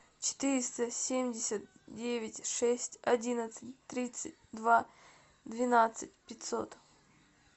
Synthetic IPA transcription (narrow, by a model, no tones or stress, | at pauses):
t͡ɕɪ̥t̪ɨɾʲɪst̪əsʲemʲdʲɪsʲət̪̚dʲevʲɪtʲʂɛsʲtʲɐdʲinət̪sɨtʲt̪ɾʲit̪sɨt̚ʲd̪va | d̪vʲɪnat̪sɨt̚ʲpʲɪtʲso̰t̪